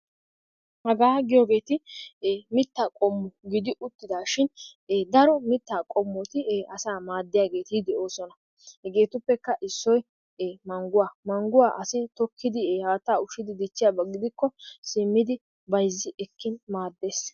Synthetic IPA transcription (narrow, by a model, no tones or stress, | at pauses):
hɐɡaːɡɪjoːɡe̞ːt̪ɪː | mɪt̪ːaːkʼɔmːɔɡɪd̪ɪʔʊt̪ːɪd̪aːʃɪnːd̪ɐɾɔmɪt̪ːaːkʼɔmːɔt̪ɪɐsaːmaːd̪ːɪjaːɡe̞ːt̪d̪ɛʔo̞ːsɔnɐ | hɛɡe̞ːt̪ʊpːɛkːɐʔɪsːɔjː | mɐŋɡʊwaːmɐŋɡʊwaːʔɐsɪt̪ɔkʰːɪd̪ɪhaːt̪ːaːʊʃɪd̪ɪd̪ɪt͡ʃːɪjaːbɐɡːɪd̪ɪkːɔsɪmːɪd̪ɪ | bɐjzːɪʔɛkːɪnmaːd̪ːe̞ːs